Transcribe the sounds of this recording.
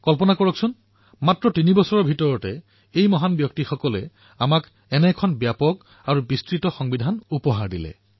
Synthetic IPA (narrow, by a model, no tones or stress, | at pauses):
kɔlpɔnakɔɹɔksun | matɹɔtinibɔsɔɹɔbʱitɔɹɔtɛ | ejmɔɦanbjɔktixɔkɔlɛ | amak | ɛnɛkʰɔnbjapɔk | aɹubistɹitɔxɔŋbidʱanupɔɦaɹdilɛ̰